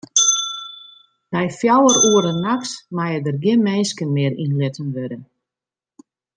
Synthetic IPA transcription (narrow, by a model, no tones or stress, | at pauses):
nɛjfjawəɾuəɾənːaksmajədərɡɪnmɛjnskənmɪːɾinlɪtənʋødə